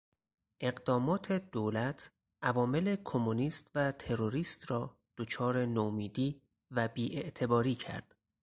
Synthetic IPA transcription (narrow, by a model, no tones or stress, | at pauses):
ʔe̞ɢd̪ɒːmɒːt̪ʰe̞d̪oːlæt̪ʰ | ʔævɒːme̞le̞kʰo̞muniːst̪væt̪ʰe̞ɾoɾiːst̪rɒː | d̪̥ot͡ʃʰɒːɾe̞noːmiːd̪iː | væbiːʔe̞ʔt̪ʰe̞bɒːɾiːcʰæ̰ɾd̪̥